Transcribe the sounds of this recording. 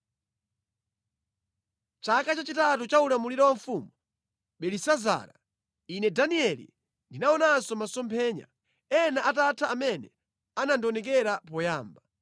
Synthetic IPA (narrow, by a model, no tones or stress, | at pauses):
t͡ʃakat͡ʃat͡ʃitatut͡ʃaulamuliɾɔwaɱfuːmu | ɓɛlisaza̰ːɾa | inɛdaniɛlḭ | ndinaɔnasɔmasɔmpʰɛːɲa̰ | ɛnaʔatatʰaːmɛnɛ | anandɔnɛkɛɾapɔjaːmba